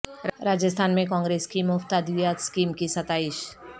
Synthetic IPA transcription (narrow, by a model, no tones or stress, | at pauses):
ɾaːd͡ʒəst̪ʰaːnmẽkɔ̃ːŋɡɾeːskimʊft̪aːd̪ʋjaːt̪skiːmkisɐt̪aːɪʃ